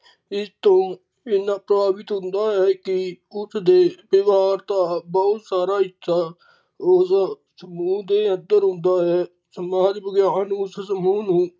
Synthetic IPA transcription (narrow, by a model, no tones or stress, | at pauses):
ɪst̪õː | ɪnãːpɾəbaːbɪt̪ɦʊ̃nd̪aːɦɛːkɪʊsd̪eːbeʋaːɾt̪aːbɔːt̪saːɾaːɦɪt͡ʃʰːaː | ʊs | səmuːd̪eːə̃nd̪əɾɦʊ̃nd̪aːɦɛː | səmaːɾbəɡjaːnũːssəmuːnũː